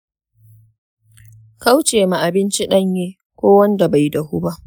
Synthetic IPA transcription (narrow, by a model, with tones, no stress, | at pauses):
ka˦wt͡ʃeː˨ma˨ʔa˨bɪ˦nt͡ʃi˦ɗɐ˦˨ɲjeː˦ | kʷoː˦wɐ˦nda˨ba˨ji˦dɐ˨hu˦ba˦ʔ